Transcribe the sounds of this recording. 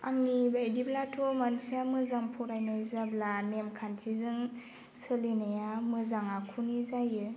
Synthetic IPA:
a̰ŋnibajdiblatʰɔmansiamɯzaŋpʰɔɾajnɯzablanemkʰantʰizɯŋ | sɯlinajamɯzaŋakʰunizajɯ

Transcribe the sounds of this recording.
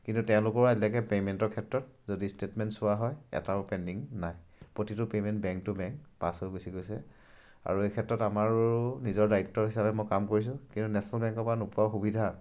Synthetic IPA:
kintutɛʊ̃lʊkɔɹɛlakɛpemɛntɔɹkʰɛtɹɔt̚zodistetmɛntsʊwaɦɔjɛ̰tapɛndiŋnajpɹotitʊpemɛntbɛŋk̚tʊbɛŋkpa̰sojɡusiɡojsɛ | a̰ɹuejkʰɛtːɹɔtamaɹnizɔɹdaitːɔɹɦisapɛmɔjkamkoɹis̬ʊ̃kĩntunɛsɔnalbɛŋkɔpanupuɹaxubidʱa

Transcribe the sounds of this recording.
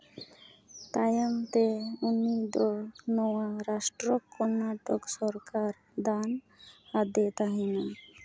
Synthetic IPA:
t̪ajamt̪eunid̪ɔnɔwaɾasʈɾokɔɾnaʈoksɔɾkaɾ | d̪an | ad̪et̪aɦina

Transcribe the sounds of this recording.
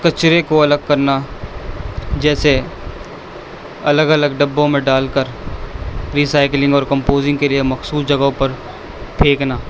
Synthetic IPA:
kɐt͡ʃɾekoɐləɡ̚kɐɾna | d͡ʒɛːse | ɐləɡɐləɡɖɐbːõmẽɖaːlkəɾ | ɾiːsaːɪklɪ̃ŋɡɔːɾkɐ̃mpoːzɪ̃ŋɡkeliemɐxsuːsd͡ʒɐɡõpɐɾ | pʰeːknaː

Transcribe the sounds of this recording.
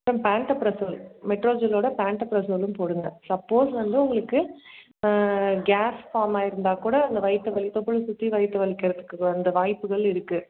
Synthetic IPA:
pɾɐmpaːɳʈɐpɾɐsolmɛʈɾoːd͡ʒɐloːɽɐpaːɳʈɐpɾɐsoːlɯmpoːɽɯŋɡ̪ɐsɐpːoːsʋɐnd̪ɯʊŋɡɐɭɯkːɯ | ɡaːsfaːɾmaːɪɾɯnd̪aːkuːɽɐːnd̪ɐʋɐɪt̪ːɯʋɐlɪt̪ːɐpːɔɭɯsʊt̪ːiʋɐɪt̪ːɐʋɐɭɪkːɪɾɐðɯkːɯɐnd̪ɐʋaːjpːɯɣɐɭɪɾɯkːɯ

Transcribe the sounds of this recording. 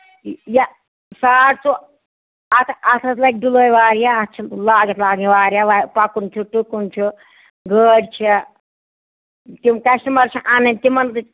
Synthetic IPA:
ja | saːɽt͡su | ɐt̪ʰaɐt̪ʰɐt͡slɐjk̚ɖuloːjʋaːɾjaːt̪t͡ʃʰilaːɡɐt̪laːɡiʋaːɾjaʋapakunt͡ʃʰuʈukunt͡ʃʰu | ɡəːɽʲt͡ʃʰe | t̪imkɐsʈɐmɐɾt͡ʃʰiʔanɐnʲt̪imɐnt̪ɨ

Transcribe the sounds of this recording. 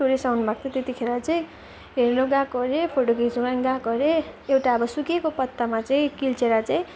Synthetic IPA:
oɾisawnbakt̪et̪et̪ikʰeɾat͡saĩ | ɦernoɡãkʌɾepʰoʈokid͡zuɡaŋɡãkʌɾeewʈaʌbʌsukekopʌt̪ːamat͡saĩkilt͡seɾat͡saĩ

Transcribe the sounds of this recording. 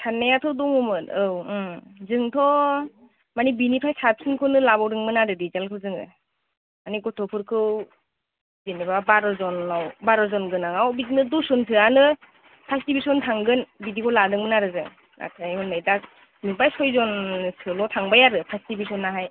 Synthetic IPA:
tʰanːajatʰɔdɔŋɔmɯtɯwzɯŋtʰɔ | manibinipʰajsap̚sɯnkʰonɯlabawɾɯŋmɯnaɾɯdizalkʰɯwzɯŋɯ̰ | maniɡɔtʰɔpʰɯɾkʰɯw | zenibabaɾɔzɔnawbaɾɔzɔnɡɯnaŋawbiznɯdusɔnsʰɯanɯ | pʰastibisɔntʰaŋɡɯnbidikʰɔwladɯŋmɯnaɾɯzɯŋ | na̰tʰajhɔnːajda | mibajsɔjzɔnsɯlɔtʰaŋbajaɾɯpʰastibisɔnːaɦaj

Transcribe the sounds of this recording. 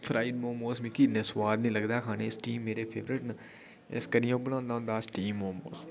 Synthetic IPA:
fʰɾaːɪɖmoːmoːsmĩːkiːnesʋaːd̪nĩːləɡd̪akʰaːneːɪsʈiːmːeːɾeːpʰḛːʋɾɪʈnə | ḛskəɾijõːbəɽãːnd̪ãːnd̪aːsʈiːmːoːmo̰ːs

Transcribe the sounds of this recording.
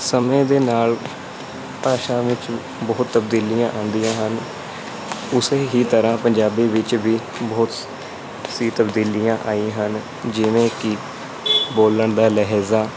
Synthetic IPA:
səmẽːd̪eːnaːl | paːʃãːʋɪt͡ʃ | bɔːt̪ːəbd̪iːlijãːʔãːnd̪ijãːɦən | ʊseːɦiːt̪əɾãːpəɲd͡ʒaːbiːʋɪt͡ʃʋiː | bɔːt̪ | siːt̪əbd̪iːlijãːʔaːĩːɦən | d͡ʒɪʋẽːkɪ | boːləɳd̪aːlɛɦɛːzaː

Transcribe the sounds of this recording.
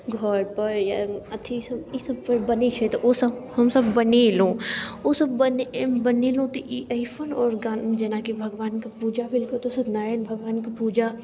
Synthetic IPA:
ɡʱɔɾpɐɾjaɐt̪ʰisɐbisɐb̚pɐɾbɐnit͡ʃʰet̪oʔosɐbhɐmsɐbːɐnilõoːsɐbbɐnbɐnilõt̪oʔiʔɐɪfʰənɔːɾɡad͡ʒɛːnaːkibʱɐɡʋaːnkapuːd͡ʒabɪlkot̪osɐd̪naːɾenbʱɐɡʋaːnkapuːd͡ʒa

